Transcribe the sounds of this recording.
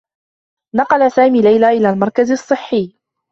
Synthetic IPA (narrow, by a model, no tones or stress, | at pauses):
nɑqɑlasaːmiːlajlaːʔɪlaːlmɑɾˤkazɑsˤːɨħːɪː